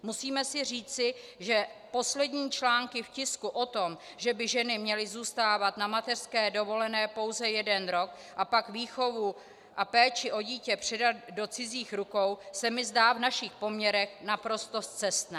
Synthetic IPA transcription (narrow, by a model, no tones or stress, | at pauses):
musiːmɛsɪr̝iːt͡sɪʒɛpo̞slɛdɲiːt͡ʃlaːŋkɪfcɪskuʔo̞t̪o̞m | ʒɛbɪʒɛnɪmɲɛlɪzuːst̪aːvat̪namat̪ɛr̥skɛːdo̞vo̞lɛnɛːpo̞wzɛjɛdɛnɾo̞k | ʔapakviːxo̞vu | ʔapɛːt͡ʃɪʔo̞ɟiːcɛpr̥ɛdat̪̚do̞t͡sɪziːxɾuko̞wsɛmɪzdaːvnaʃɪxpo̞mɲɛɾɛxnapɾo̞st̪o̞st͡sɛst̪nɛ